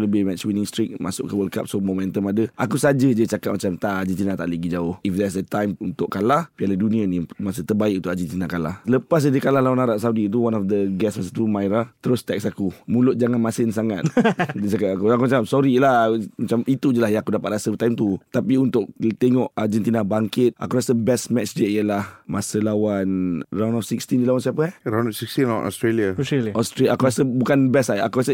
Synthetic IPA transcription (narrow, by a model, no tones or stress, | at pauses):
ləbɪhmɛt̪swinɪŋst̪ɾik̚ma̰sʊ̰ʔkəwəlka̰p̚somomɛ̃nt̪əmadəʔakusad͡ʒəd͡ʒət͡ʃakat̪̚mat͡ʃamt̪aʔad͡ʒit̪inat̪a̰ʔləɡid͡ʒaʊhifd̪ɛs̬dət̪ajmunt̪ʊʔkalahpialadunianimas̬ət̪ərbaɪk̚ũnt̪ʊʔad͡ʒit̪inakala̰hələpas̬ədəkalahlawanaɾaʔsaudit̪̬uwanɔfd̪əɡɛsmas̬ət̪umajɾat̪əɾʊst̪ɛk̚sakumulʊt̪̚d͡ʒaŋãnmasɪnsaŋat̪̚disakaakuakumat͡ʃamsɔɾilahmat͡ʃamit̪ud͡ʒəlahjãakudapat̪̚ɾasəbət̪ajmt̪ut̪apiunt̪ʊk̚t̪eŋɔʔard͡ʒɛnt̪inabaŋkɪt̪̚a̰kuɾasəbɛsmɛt͡ʃd͡ʒəʔiəlahmasəlawanraw̃nɔfsikst̪indilawansiapəɾaw̃nɔfsikst̪inlawa̰nɔ̰st̪ɾeliaɔst̪ɾʔakuɾasəbukanbɛsaja̰kuɾasə